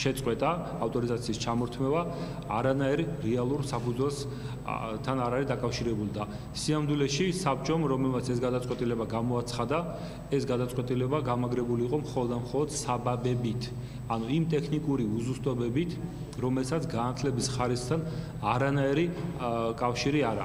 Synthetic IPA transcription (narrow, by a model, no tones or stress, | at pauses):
ʃɛt̪sʼqʼwɛt̪ʼaː | ft̪ʼɔɾizat̪sʰiːst͡ʃʰamɔɾt̪ʰmɛvaː | ɾanaiɾiɾɛalˠuɾsapʰud̪zwɛls | t̪ʰanaɾaɾid̪akʼafʃiɾɛbulid̪a | siamd̪wilɛʃisapt͡ʃʼɔmɾɔmɛlmat̪sʰɛsɡad̪at̪sʼqʼwɛt̪ʼilɛbaɡamɔat̪sʰχad̪a | ɛsɡad̪at̪sʼwɛt̪ʼilɛbaɡamaɡɾɛbuliːqʼɔmχɔlˠɔd̪d̪amχɔlˠɔd̪̥sababɛbit̪ʰ | anuimt̪ʼɛkʰnikʼuɾiuzust̪ʼɔbɛbit̪ʰ | ɾɔmɛlsat̪sɡanat̪ʰlɛbisχaɾisχt̪ʰan | aɾanaiɾikʼafʃiɾiaɾa̰